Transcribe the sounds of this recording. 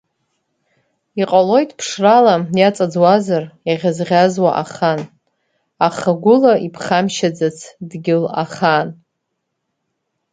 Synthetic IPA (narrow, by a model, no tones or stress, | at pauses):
iqʼalo̞jtʰʼpʰʂralajat͡sʼad͡zwazarjaʁʲazʁʲazwaʔaχan | aχaɡʷʊlaipʰχamʃad͡zat͡sʰdɡʲɪla̰χan